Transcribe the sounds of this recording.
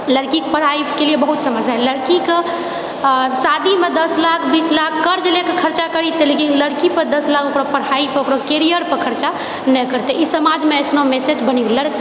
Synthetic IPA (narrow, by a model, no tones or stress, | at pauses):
ləɽkikpəɽ̤aikeliebəɦut̪səməsaɦɛləɽkik | sad̪ʱimed̪əslakʰbislakʰːəɾd͡ʒlekekʰəɾt͡ʃakəɾit̪elekinləɽkipəɾd̪əslakokɾapəɽ̤aipəokɾokeɾijəɾpəɾkʰəɾt͡ʃa | nɛkəɾt̪ɛʔisəmad͡ʒmeəsnomesed͡ʒbəniləɽk